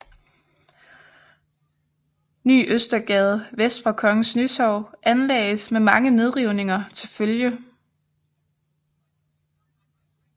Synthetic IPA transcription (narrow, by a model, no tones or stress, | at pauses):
ny̰ːʔøsd̥ɐɡ̥ɛð̞̩ˠʋesd̥fɑ̈kʰɒ̽ŋəsnysɒʊ̰ʔænlɛ̰ːɪəsmemɑ̈ŋəne̝ð̞ˠʁiʊne̝ŋɐt͡sʰe̝lføljə